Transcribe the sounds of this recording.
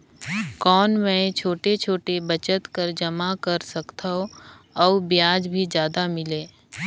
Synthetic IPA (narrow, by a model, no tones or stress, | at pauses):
kɔːnmɛ̃t͡ʃʰoːʈet͡ʃʰoːʈebət͡ʃət̪kəɾd͡ʒɐmakɐɾsɐkt̪ʰaɦo | ɔːbjaːd͡ʒbʱid͡ʒjaːd̪amɪleː